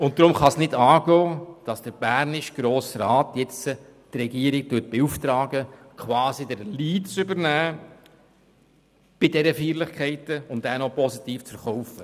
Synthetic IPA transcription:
ʊntd̪ɾʊmχɑsnɪdɑːɡoːd̥ɑsd̥əɾb̥æɾnɪʃɡ̥ɾoːsrɑːtjɛt͡sə | trɛɡiːəɾɪk̚tʉːt̚b̥euft̪ɾɑːɡəkʰwɑːsidəɾliːtt͡sʏbəɾnæː | b̥ɪdɛɾəfiːɾlɪχkχɛɪtəʊntænɔpɔsitiːft͡sfəɾχɔwfə

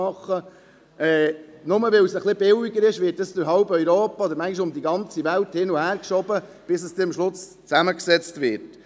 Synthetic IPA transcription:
ɑχːə | ɛːnʊməʋɛwsəχlɪb̥ɪwɪɡəɾɪʃʋɪːt̚dɑst̪ʊɾɦɑlbœʏɾoːpɑɔd̪əɾmæŋɡiʃ̬ʊmd̪iɡɑnt͡sivælthɪnuhæːɾkʃɔbə | b̥ɪsəsd̪ɛmʃlʊs | t͡sæməksɛt͡stvɪɾt

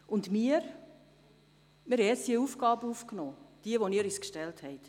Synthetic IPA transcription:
ʊndmiəɾ | mɪɾɛɛsdiəuːfɡɑːbəuːfknoːd̥iəʋoniːɾyskʃtɛlthɛɪt

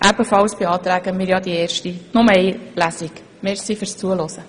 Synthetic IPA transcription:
ʔæbəfɑwsb̥ɪɑːt̪ɾæɡəmɪɾjɑd̪ieːrʃtinʊməɛɪlæsik | mɛɾsifyɾst͡suəlɔsə

